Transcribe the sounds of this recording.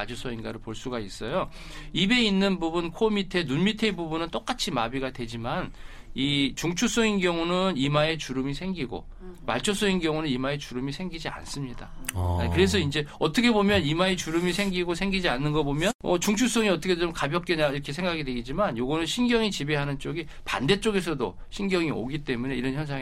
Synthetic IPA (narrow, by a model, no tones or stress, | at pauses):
at͡ɕʰos͈ʰʌinɡaɾɯɭpoɭs͈uɡais͈ʌjo | ibe̞inːɯnbubunkʰomitʰe̞nunmitʰe̞bubunɯnt͈ok͈at͡ɕʰimabiɡadwe̞d͡ʑimanit͡ɕuŋt͡ɕʰus͈ʌŋinɡjʌŋunɯnimae̞t͡ɕuɾɯmisʰe̞ŋɡiɡo̰ | ma̰ɭt͡ɕʰos͈ʌŋinɡjʌŋunɯnimae̞t͡ɕuɾɯmisʰe̞ŋɡid͡ʑia̰ns͈ɯmɲida̰kɯɾe̞s̬ʰʌind͡ʑe̞ʌt͈ʰʌkʰebomjʌnimaet͡ɕuɾɯmisʰe̞ŋɡiɡosʰe̞ŋɡid͡ʑianːɯnɡʌbomjʌnʔʌt͡ɕuŋt͡ɕʰus͈ʌŋiʌt͈ʰʌkʰeomkabjʌk͈eɲaiɾʌkʰesʰe̞ŋɡaɡidwe̞ɡid͡ʑimanjoɡʌnɯnɕʰinɡjʌŋit͡ɕibeɦanɯnt͡ɕ͈oɡi | pa̰nde̞t͡ɕ͈oɡe̞sʰʌdo | ɕʰinɡjʌŋio̰ɡit͈e̞mune̞iɾʌnçjʌns̬ʰaŋ